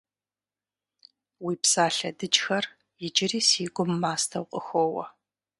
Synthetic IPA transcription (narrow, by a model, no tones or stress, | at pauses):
wiːpsaːɬɐdɨt͡ʃʼxɐr | jɪd͡ʒʼɪriːsiːɡʷʊmːaːstʰɐwqʼəxʷoːwɐ̰